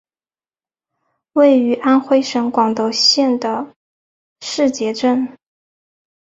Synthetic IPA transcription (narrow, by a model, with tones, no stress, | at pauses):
we˥˩ɪy˧˥ʔa˥nxwe˥ɪʂɤ˧˥ŋkwɑ˨˩ŋt̪o˧˥ʊɕjɛ˥˩nd̪ə˩ | ʂɻ̩˥˩t͡ɕjɛ˧˥ʈ͡ʂə˥˩n